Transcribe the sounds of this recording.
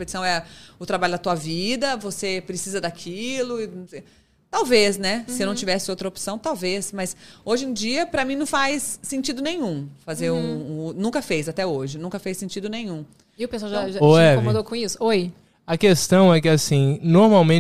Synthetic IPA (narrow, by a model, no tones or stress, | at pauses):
pet͡ʃi̥sɐ̃w̃ɛɐʊt̪ɾabalʊd̪ɐt̪uɐvid̪ɐvosepɾesizɐd̪akʰilʊɪ̃se | t̪awvesnɛsɪewñt͡ʃivɛsɪowt̪ɾɐopsɐ̃w̃t̪awvesmɐsoʒẽd͡ʒiɐpɾɐmĩnɐ̃w̃fajsːẽnt͡ʃid̪ʊnẽj̃ũfazeɾũnũŋkɐfejzat̪ɛoʒɪnũkɐfejsẽnt͡ʃid̪ʊnẽjɲ̃ũ | iʊpeswawʒaʒaoɛkvomod̪owkõisʊoj | ɐkest̪ɐ̃w̃ɛkɪasĩnoɾmawmẽ